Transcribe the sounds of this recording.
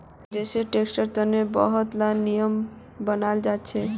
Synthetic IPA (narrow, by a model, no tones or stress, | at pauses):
d̪eʃeɾʈeksʈəɾt̪ɔnebɔ̰ɦot̪lannːijom | bənald͡ʑatːɕʰe